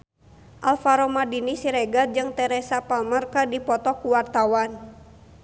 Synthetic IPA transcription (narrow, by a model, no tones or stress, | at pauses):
ʔalfaɾɔmadinisiɾɛɡad͡ʒɨŋt̪ɛɾɛsapalmərkadipɔt̪ɔkuwart̪awan